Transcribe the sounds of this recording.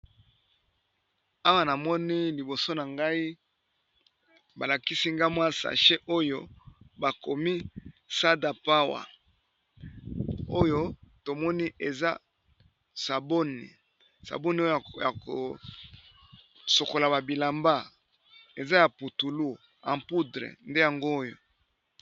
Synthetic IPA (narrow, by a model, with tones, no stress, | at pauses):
a˦wa˦na˨mɔ˦ni˦li˨bo˨so˦na˨ŋɡa˦i˦ | ba˨la˨ki˦si˦ŋɡa˦mwa˦sa̰˨ʃe˦ʔo˦jo˦ba˨ko˨mi˦sa˦da˨pa˦wa̰˨ | o˦jo˦to˨mɔ˦ni˦ʔe˨za̰˦ | sa˨bo˦nḭ˨ | sa̰˨bo˦ni˨˦o˦jo˦˨ja˨ko̰˨ | so˨ko˨la˨ba˨bi˨la˨mba˦ | e˨za˦ja˨pu˨tu˨lu˦ | ã˨mpu˦dʁḛ˨nde˦ja˨ŋɡoː˦jo̰˨